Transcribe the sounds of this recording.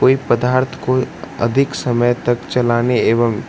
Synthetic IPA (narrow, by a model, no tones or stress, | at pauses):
oːipəd̪aːɾt̪ʰkoɐ̰d̪ʱɪksɐməjt̪ɐkt͡ʃɐlaːneeːʋəm